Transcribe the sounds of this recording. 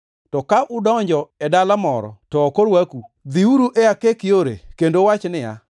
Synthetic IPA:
tɔkaʔʊdɔɲd͡ʒɔɛdalamɔɾɔ̰tɔːkoɾwakud̪iuɾuʔɛakekɪoɾḛkendowat͡ʃnɪja̰

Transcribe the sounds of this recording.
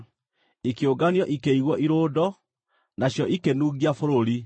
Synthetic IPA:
ikeoɡanjɔʔikeiɣwɔʔiɾoːdɔ | naɕjɔʔikenuːɣiafoɾoɾi

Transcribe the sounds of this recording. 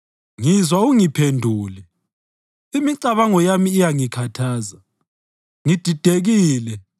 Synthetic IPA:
ŋizwauŋipʰendʱuːlɛ | imiǀaβaŋɔjamiːjaŋikʰatʰaːza | ŋid̥ʱid̥ʱeɣiːlɛ

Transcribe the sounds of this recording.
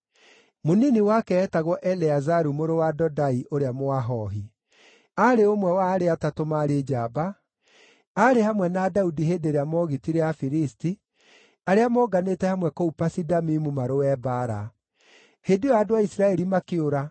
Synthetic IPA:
moniniwakɛːtaɣwɔʔɛleazaɾumoɾowadɔdaiʔoɾeamoaɦɔɦi | aɾeomwɛwaːɾeatatomaɾed͡ʒabaː | ɾehamwɛnadaudiɦeːdeɾeamɔɣitiɾeafiɾisti | aɾeamɔɡanetɛhamwɛkoupasidamimumaɾowɛbaɾa̰ | hedujaːdowaisiɾaɛɾimakeoɾa

